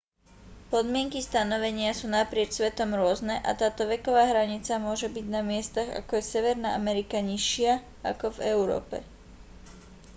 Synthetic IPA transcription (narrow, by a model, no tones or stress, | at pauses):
pɔd̪mɪɛŋkist̪anɔʋɛɲɪasuːnapɾɪɛt͡ʃsʋɛt̪ɔmɾʊɔznɛʔa̰t̪aːt̪ɔʋɛkɔʋaːɦɾaɲit͡samʊɔʒɛbiɟnamɪɛst̪aɣa̰kɔjɛsɛʋɛɾnaʔamɛɾikaɲiʃɪa | akɔvɛʊɾɔ̰ːpɛ̰